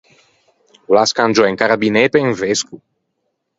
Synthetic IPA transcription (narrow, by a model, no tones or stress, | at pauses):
laskand͡ʒoeŋkaɾabinepeeŋvesku